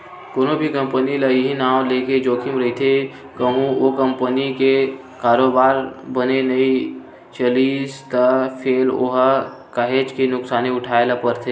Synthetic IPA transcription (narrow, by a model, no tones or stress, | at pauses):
koːnobʱikə̃mpəniləɦinaːw̃leːked͡ʒoːkʰɪmɾɐɦit̪ʰe | kəɦũokə̃mpənike | kaːɾoːbaːɾbənenɐi | t͡ʃəliːst̪əpʰeːlo̰ɦ | kəɦeːt͡ʃkinʊksaːniʊʈʰaːelapəɾt̪ʰeː